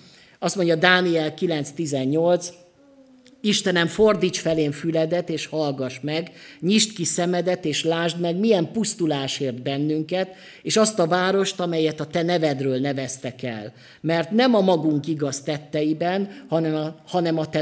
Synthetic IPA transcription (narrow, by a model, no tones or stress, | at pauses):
ɒst̪mo̞ɲɟɒd̪aːniɛlkilɛnt̪st̪izɛɲːo̞lt̪s | iʃt̪ɛnɛɱford̪iːt͡ʃfɛleːɱfylɛd̪ɛt̪eːʃhɒlɡɒʃmɛɡɲiʃt̪kisɛmɛd̪ɛt̪eːʃlaːʒd̪mɛɡmijɛmpust̪ulaːʃeːrd̪̚bɛnːyŋkɛt̪ | eːʃɒst̪ɒvaːɾo̞ʃt̪ɒmɛjɛt̪ɒt̪ɛnɛvɛd̪røːlnɛvɛst̪ɛkɛ̰l | mɛrt̪nɛmɒmɒɡuŋkiɡɒst̪ɛt̪ːɛjibɛnhɒnɛmɒhɒnɛmɒt̪ɛ